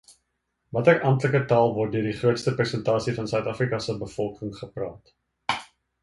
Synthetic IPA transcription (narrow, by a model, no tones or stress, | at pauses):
vɐtərʔɐmtləkətɐːlˠvɔrt̚døərdiχruətstəprɛsəntɑːsifɐnsœɥtɑfrikɐsəbəfɔlˠkəŋχəprɑːt